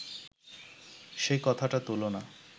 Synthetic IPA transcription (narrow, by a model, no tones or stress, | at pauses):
ʃejkɔt̪ʰaʈat̪ulona